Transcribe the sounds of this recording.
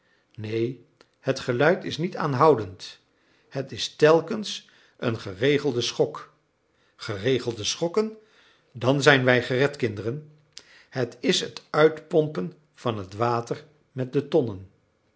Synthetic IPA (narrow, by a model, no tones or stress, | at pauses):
nej | hətχəlœɥtɪsnita̰ːnɦɑwdənt | hətɪstɛlˠkəns | ə̰nχərejχəlˠdəsχɔk | χərejχəlˠdəsχɔkən | dɑnzɛjnʋɛjχərɛtkɪndərən | ɦətɪsɦətœɥtpɔmpən | v̥ɑnɦətʋaːtər | mɛt̚dətɔnən